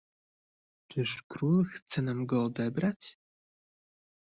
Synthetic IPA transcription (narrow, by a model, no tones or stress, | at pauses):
t͡ʂɘʂkɾulxt̪sɛnamɡɔːd̪ɛbɾat͡ɕ